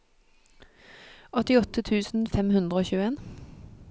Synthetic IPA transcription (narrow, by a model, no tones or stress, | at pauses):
ɔt̪ɪɔt̪ət̪ʰʉːsn̩fɛmhʉnd̪ʁəoːçʉːəeːn